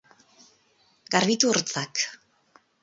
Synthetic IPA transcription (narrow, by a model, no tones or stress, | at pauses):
ɡarβit̪uoɾt͡sak